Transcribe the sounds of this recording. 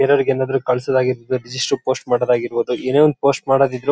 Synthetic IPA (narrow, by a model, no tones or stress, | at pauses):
ɛɾɐɾiɡenːaːd̪ɐɾukɐɭsɐd̪aːɡiɾbod̪uɾid͡ʒisʈɾupo̞ːsʈmaːɽɐd̪aːɡiɾboːd̪uʔeːneːonupo̞ːsʈmaːɽɐːd̪id̪ːɾu